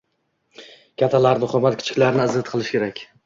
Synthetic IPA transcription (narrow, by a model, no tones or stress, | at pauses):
kʲʰat̪ʰːalaɾnʊχɒmat̪̚kʲɪ̥t͡ʃʰɪ̥kʲlaɾɪnɪazat̪qʰɨlˠɪʃkʲe̞ɾakʲ